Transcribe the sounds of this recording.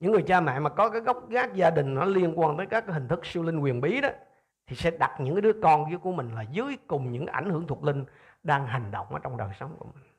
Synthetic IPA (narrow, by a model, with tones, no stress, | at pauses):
ɲɨ̰˧˥ŋːɨ˨˩əjt͡ɕaː˧mɛ̰˧˨maː˨˩kɔ˨˦kaː˨˦jɣə˦˥wk͡p̚ɣaː˦˥k̚zaː˧ɗï˨˩ŋ̟nɔ˨˦li˧ənkwaː˧nt̪əː˨˦jkaː˦˥k̚ːaː˦hi˨˩ŋ̟t̪ʰɨ˦˥k̚si˧wli˧ŋ̟kwi˨˩ənɓi˨˦ɗɔ˨˦ | t̪ʰi˨˩sɛ̰˧˥ɗa˨˩t̚ɲɨ̰˧˥ŋkaː˨˦ɨ˨˦əkɔ˧nɣi˧˦əku˧˩əmï˨˩ŋ̟laː˨˩zɨ˨˦jkʊ˨˩ŋ͡mɲɨ̰˧˥ŋkʔa˧˩jŋ̟hɨ˧˩əŋt̪ʰu˨˩lï˧ŋ̟ | ɗaː˧ŋɦa˨˩ŋ̟ɗo̰˧˨wŋ͡mʔaː˨˩t͡ɕɔ˧wŋ͡mɗəː˨˩jsə˨˦wŋ͡mkṵ˧˩əmï˨˩ŋ̟